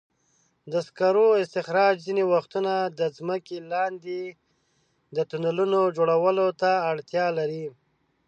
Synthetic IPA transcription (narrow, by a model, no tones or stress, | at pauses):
d̪əskaɾoɪst̪ɪxɾɑd͡ʒzinewaxt̪unad̪əzməkelɑnd̪e | d̪ət̪unalunod͡ʒoɽawəlot̪aːɽt̪jɑlaɾi